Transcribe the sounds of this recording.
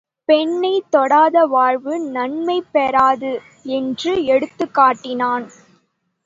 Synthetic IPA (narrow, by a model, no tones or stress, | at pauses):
pɛɳːɐɪt̪ːɔɽaːðɐʋaːɻʋɯnɐɳmɐɪpːɛɾaːðɯ | ɛndrɯɛɽɯt̪ːɯkːaːʈːɪnaːn